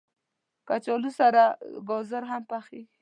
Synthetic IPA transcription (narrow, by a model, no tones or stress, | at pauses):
kat͡ʃɔlusaɾaɡɔzaɾɦampaxeɡi